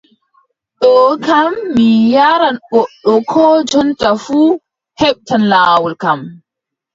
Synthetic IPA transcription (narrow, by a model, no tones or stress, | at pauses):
ɗɔkamːijaɾanɓɔɗːɔkʰɔd͡ʒɔntafuː | hɛɓtanlaːwɔlkam